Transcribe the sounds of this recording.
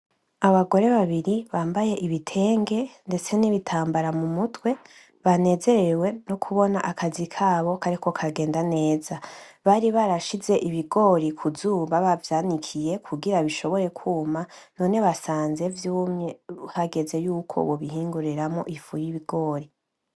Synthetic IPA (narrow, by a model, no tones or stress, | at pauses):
aβaɡo̞ɾe̞βaβiɾiβaːmbaje̞ʔiβitʰe̞ːŋɡe̞nde̞t͡se̞niβitʰaːmbaɾamumutwe̞ | βane̞ːze̞ɾe̞we̞nokʰuβo̞naʔakʰazikʰaːβo̞kʰaɾikʰo̞kʰaɡe̞ːndane̞ːzaβaɾiβaɾaʃize̞ʔiβiɡo̞ɾikʰuzuːmbaβavjaːnikʰije̞kʰuɡiɾaβiʃo̞βo̞ɾe̞kʰuːmano̞ːne̞βasaːnze̞vjuːmɲehaɡe̞ze̞juːkʰo̰βoβihiːŋɡuɾiɾamo̞̰ʔifujiβiɡo̞ːɾi